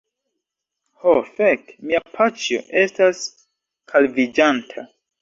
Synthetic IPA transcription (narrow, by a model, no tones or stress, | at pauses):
hofekmiapʰat͡ʃjo̰ʔe̞stas | kʰalvid͡ʒantʰa̰